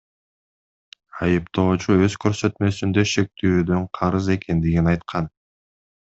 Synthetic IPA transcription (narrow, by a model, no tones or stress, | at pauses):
ɑjɯpt̪o̞ːt͡ʃuø̞zkʰø̞ɾsø̞t̪mø̞synd̪ø̞ʃe̞k̚t̪ʰyːd̪ø̞ɴqʰɑɾɯze̞kend̪iɡinɑjt̪qʰɑn